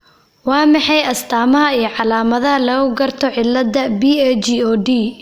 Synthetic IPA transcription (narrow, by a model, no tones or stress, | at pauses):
wɑːmɑħɑjɐst̪ʰaːmɐɦɐijɞʕɑlaːmɐðɐɦɐlɐɣʊɡɐrt̪ʰɔʕɪlːɐd̪ɐbiːɛt͡ʃiɔːɖiː